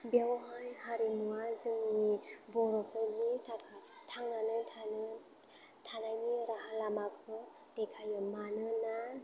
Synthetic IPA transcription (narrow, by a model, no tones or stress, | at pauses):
bjawɔɦanhaɾinuazɯŋnibɔɾɔkʰɯnitʰakʰatʰaŋnanɯtʰanɯ | tʰanajniɾaɦalamakʰɯ | dekʰajɯmanɯna